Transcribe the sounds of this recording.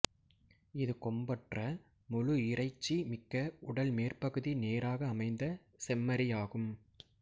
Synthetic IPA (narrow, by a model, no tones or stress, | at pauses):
ɪðɯkɔmbɐʈrɐ | mɔɻʊɪrɐɪt͡ʃːimɪkːɐʊɽɐlmeːrpɐɣɯðineːɾaːɣɐːmɐɪnd̪ɐ | sɛmːɐɾɪjaːɣɯm